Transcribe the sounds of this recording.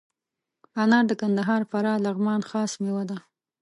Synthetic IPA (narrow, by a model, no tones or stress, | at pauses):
ɑnɑɾd̪əkand̪aɦɑɾfaɾɑlaɣmɑnxɑsmewad̪a